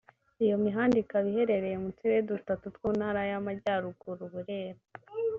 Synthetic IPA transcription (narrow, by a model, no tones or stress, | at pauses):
ijo̞miɦaːndikaβihe̞ɾe̞ɾe̞jemutiwedutatutwuːnhaɾajamaɟaːɾuɡuɾuβuɾeːɾa